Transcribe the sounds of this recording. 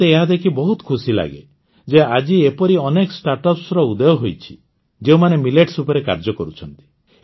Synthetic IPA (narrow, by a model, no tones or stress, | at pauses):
eːɦad̪ekʰibɔɦut̪ɔ̥kʰusila̰ɡḛ | d͡ʒead͡ʒiepɔɾiɔnekɔsʈaɾʈɔpsɾɔud̪ɔjɔɦojt͡ʃʰi̥ | d͡ʒeũmanemileʈsupɔɾeka̰ɾd͡ʒɔkɔɾut͡ʃʰɔnt̪i̥